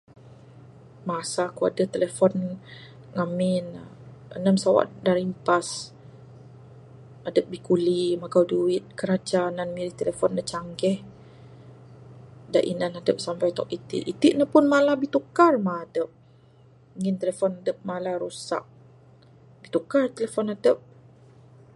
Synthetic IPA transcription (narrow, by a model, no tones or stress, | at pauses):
maasakua̰dət̪elefɔn | ŋamɪnə̰nəmsawa̰ʔdaɾimpas | adəp̚bikulimakawduɪt̪̚kəɾad͡ʒananmiɾiht̪elefɔnːət͡ʃaŋɡɛh | da̰ʔḭnanadəp̚sampajt̪ɔ̰k̚it̪ḭʔit̪iʔnəpʊnmalabit̪ukarmaːdəp̚ | ŋɪnt̪elefɔnadəp̚malaɾusa̰k̚ | bit̪ukart̪əlefɔnadəp̚